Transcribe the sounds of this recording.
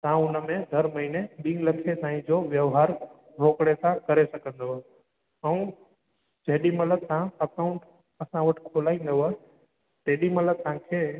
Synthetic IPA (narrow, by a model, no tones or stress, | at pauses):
t̪ãʊnəmẽd̪ʱɐɾmɐɦineɓĩŋləkʰet̪ãːĩd͡ʑoʋjəʋɦaːɾ | ɾʱoːkɽesãkɐɾesɐkə̃nd̪oɦ | əũ | d͡ʒeɦɗimɐləd̪sãəkaʊ̃ɳʈ | ɐsãʋəʈʰkʰolaːĩnd̪o | t̪eːɗimɐləd̪sãkʰeː